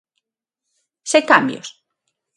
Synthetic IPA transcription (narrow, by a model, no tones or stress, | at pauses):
sekambjo̰s